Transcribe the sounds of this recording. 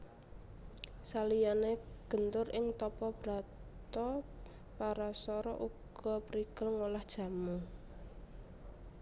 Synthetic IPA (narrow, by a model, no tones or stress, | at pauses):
salijaneɡ̥ə̤nt̪ʊrʔɪŋt̪ɔpɔb̥ɾa̤t̪ɔ | paɾasɔɾɔ̰ʔuɡ̥ɔ̤pɾiɡ̥əlŋolahd̥ʒ̥ä̤mu